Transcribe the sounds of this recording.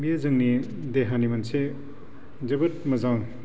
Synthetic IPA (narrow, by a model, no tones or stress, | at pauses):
mijɐzɯŋni | deɦanimɐnse | zɐbɐt̚mɐzaŋ